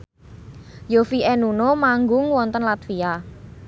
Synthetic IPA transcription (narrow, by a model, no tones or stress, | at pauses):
jofiʔɛnunomaŋɡʊŋwɔnt̪ənlat̪fia